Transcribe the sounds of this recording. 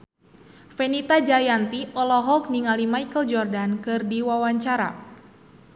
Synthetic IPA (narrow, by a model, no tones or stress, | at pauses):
fɛnit̪ad͡ʒajant̪iɔlɔɦɔk̚niŋalimajkəld͡ʒɔrdankɨrdiwawaɲt͡ʃaɾa̰